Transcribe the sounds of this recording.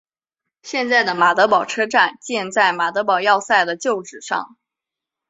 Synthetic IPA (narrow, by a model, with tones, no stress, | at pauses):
ɕjɛ˥˧nt͡sa˥˩ɪd̪ə˩ma˨˩t̪ɤ˧˥pɑ˨˩ʊʈ͡ʂʰɤ˥ʈ͡ʂa˥˩nt͡ɕjɛ˥˧nt͡sa˥˩ɪma˨˩t̪ɤ˧˥pɑ˨˩ʊjɑ˥˧ʊsa˥˩ɪd̪ə˩t͡ɕjo˥˩ʊʈ͡ʂɻ̩˨˩ʂɑ̰˥˩ŋ